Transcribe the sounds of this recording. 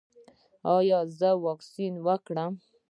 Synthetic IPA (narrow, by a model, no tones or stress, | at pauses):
ɑjɑzəwɔksinwəkɽəm